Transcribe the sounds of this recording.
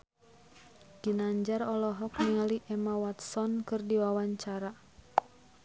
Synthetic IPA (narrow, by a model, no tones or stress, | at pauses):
ɡ̥inaɲd͡ʒarɔlɔɦɔk̚niŋaliʔɛmawat̪sɔnkɨrdiwawaɲt͡ʃaɾa